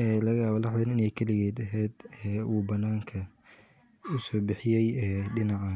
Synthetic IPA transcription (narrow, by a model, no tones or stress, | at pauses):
ʔɛːlɐɣɐjaːβɐlɑħwɪnɪnɛjkʰɐlɪɣɛːd̪ɐɦɛːd̪ɛuːbɐnaːŋkʰɐ | ʊsɔːbɪħɪjɛjɛːɖɪnɑʕaː